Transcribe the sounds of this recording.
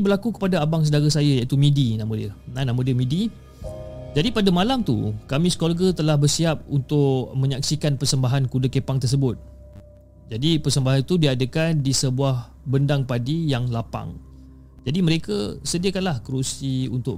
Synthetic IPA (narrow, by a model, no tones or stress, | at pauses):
bərlakukə̥padaabaŋs̬ədaɾasajajait̪umĩdinãmədiənanãmədiəmĩdi | d͡ʒadipadamalamt̪ṵkamĩskolɡət̪əlahbərsiap̚unt̪ʊʔmə̃ɲaksikanpərsəmbaɦankudəkepaŋt̪ərs̬əbʊt̪̚ | d͡ʒadipərsəmbaɦanit̪udiadəkandisəbuah | bəndaŋpadijaŋlapa̰ŋ | d͡ʒadiməɾekəsədiəkanlahkəɾusiṵnt̪ʊʔ